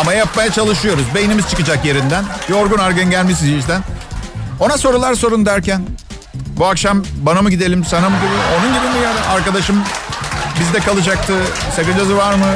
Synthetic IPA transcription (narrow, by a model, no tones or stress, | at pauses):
amajajap̚majat͡ʃʰalˠɯʃɯjo̞ɾuzbejinimizt͡ʃʰɯkɯd͡ʒakje̞ɾind̪ænbio̞ɾɡunaɾɡanɟælʲmis̬iziʃd̪æn | o̞naso̞ɾulˠaɾso̞ɾund̪æɾcæn | buakʃambanamɯɟid̪e̞lʲimsanamɯɟibio̞nunɟibimijaɾɯaɾkad̪aʃɯm | bizd̪ɛkalˠɯd͡ʒak̚t̪ʰɯsakɯnd͡ʒazɯvaɾmɯ